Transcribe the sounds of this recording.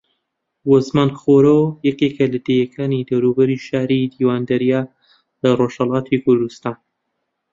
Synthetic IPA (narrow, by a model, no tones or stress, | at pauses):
wozmaːnχoːɾojɐkekɐlɐd̪ejɛkʰaːnid̪ɐwɾubɐɾiʃaːɾid̪iːwaːnd̪ɐɾija | lɐroʃhɐlˠaːt̪ʰikʰʊɾd̪ust̪aːn